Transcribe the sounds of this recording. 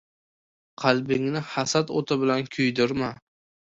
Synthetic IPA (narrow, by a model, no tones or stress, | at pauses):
qʰɑlˠbɪŋnɪhasat̪o̰t̪ʰabɪlankʲʰʊjd̪ʊɾma